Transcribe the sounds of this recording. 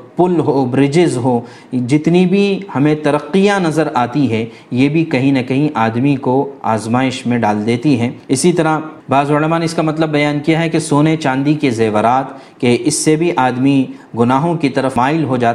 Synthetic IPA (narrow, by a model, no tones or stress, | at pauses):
pʊlɦoːbɾɪd͡ʒɪzɦoː | d͡ʒɪt̪nibʱihɐmẽt̪ɐɾəqːijanɐzəɾaːt̪iɦɛ | jeːbʱikɐɦĩnɐkɐɦĩʔaːd̪mikoa̰ːzmaːɪʃmẽɖaːld̪eːt̪iɦɛːɪsit̪ɐɾabaːzʊlɐmaːneɪskamɐt̪ləbːɐjaːnkijaɦɛkesoːnet͡ʃãːnd̪ikezeːʋəɾaːt̪ | keʔɪsːebʱiʔaːd̪miɡʊnaːɦõkit̪ɐɾəfmaːɪlɦod͡ʒaː